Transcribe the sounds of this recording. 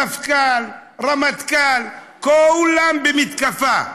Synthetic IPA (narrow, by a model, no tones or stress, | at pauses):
afkalramat̪kal | kɔulambemit̪kafa